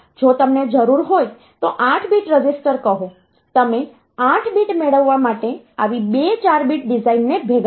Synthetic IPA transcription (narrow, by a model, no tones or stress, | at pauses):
d͡ʒot̪əmned͡ʒəɾuɾɦoj | t̪oʔãʈʰbiʈɾəd͡ʒisʈəɾkəɦõ | t̪əme | ãʈʰbiʈmeɭəʋːamaʈeaʋibet͡ʃaɾbiʈ̚ɖizainːebʱeɡ